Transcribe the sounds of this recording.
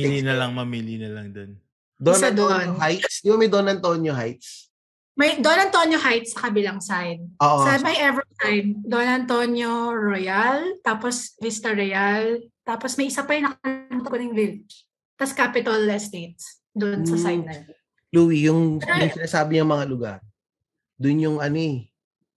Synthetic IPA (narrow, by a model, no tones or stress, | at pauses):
ilinɐlɐŋmɐmiːlinɐlɐŋd̪on | d̪onsd̪oʔnoɦajt̪sd̪ibɐmɐjd̪onɐnt̪onjoɦajt̪̚s | mɐjd̪oonɐnt̪onjohajt̪̚sɐkɐbɪlɐŋsajd̪̚ʔoːʔosɐmɐjʔɛvɛsajd̪̚d̪onɐnt̪onjoɹojɐlt̪aːposvist̪ɐɹɛjɐlt̪aːposmɐjʔɪsapɐjʊŋnɐknɐmt̪konɐŋvil | t̪ɐskaːpɪt̪ɐlɛst̪et̪̚s | d̪oʔnsɐaj̪̚nɐj̪ | luːwijʊŋjʊŋsɪnaːsaːbɪɲɐŋmɐŋalʊɡa̰ɾ | d̪ʊnjʊŋɐnoɛ